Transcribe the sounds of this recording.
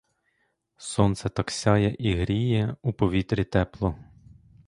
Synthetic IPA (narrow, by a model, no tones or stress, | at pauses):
sɔnt̪sɛt̪ɐksʲɑjɛʔiɦɾʲijɛupɔʋʲit̪ɾʲit̪ɛplˠɔ